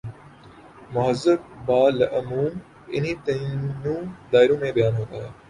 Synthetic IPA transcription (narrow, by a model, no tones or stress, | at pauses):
mʊɦəzəbbaːləʔɐmuːm | ɪ̰nɦiːt̪ɐĩnũːd̪aːɪɾõːmẽbɐjaːnɦoːt̪aːɦeː